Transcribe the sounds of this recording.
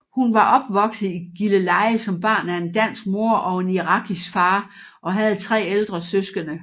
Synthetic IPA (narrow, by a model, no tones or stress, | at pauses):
hunʋɑ̈ʔɒ̽b̥ʋɒ̽ɡ̥sð̩ˠiɡ̥iləlɑ̈ɪsɒ̽mb̥ɑ̰̈ːnæe̝nd̥æn̰sɡ̥̚mo̝ɐʔɒ̽e̝niʁɑ̈ɡ̥ʰisɡ̥fɑ̈ː | ʔɒ̽ɦæð̞̩ˠt͡sʰʁɛ̰ːeld̥ʁɐsøsɡ̥ənə